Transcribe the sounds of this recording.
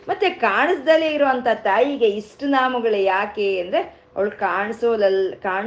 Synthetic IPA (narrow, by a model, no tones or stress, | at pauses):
mɐt̪ːekaːɳɐsd̪ɐlːeːiɾoːɐnt̪ʰat̪aːjiɡe̞isʈunaːmɐɡɐɭujaːke̞ːnd̪ɾe | ɐ̰ʋɐɭkaːɳisoːlɐlkaːɳ